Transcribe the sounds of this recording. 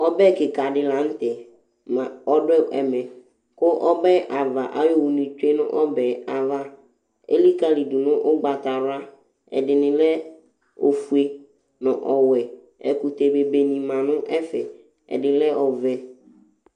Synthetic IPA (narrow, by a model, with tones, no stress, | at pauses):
ɔ˦bɛ˦˨kɪ˨ka˨dɪ˨la˨n̩˦t̪ɛ˨ | mã˨ɔ˦dʊ˦ɛ˦ɛ˨mɛ̃˨ | kʊ˦ʔɔ˦bɛ˦ʔa˨va˨ʔa˦jo˦wu˨nĩ˨t͡ʃe˦nʊ̰̃˦ʔɔ˦bɛ˨a˨va˦ | ḛ˦li˦ka˦li˨du˨nʊ̃˦ʔʊ˦ɡ͡ba˨t̪a˨ɾʊ˦a˦ | ɛ̰˨dɪ˨nɪ̃˨lɛ˦ | o˨fu˨e˨ | nɔ̰̃˨ʔɔ˨wɛ˨ | ɛ̰˨ku˨t̪e˨be˨be˨nĩ˨mã˨nʊ̃˦ʔɛ˦fɛ̰˨ | ɛ̰˨dɪ˨˦lɛ˦ʔɔ˨vɛ˦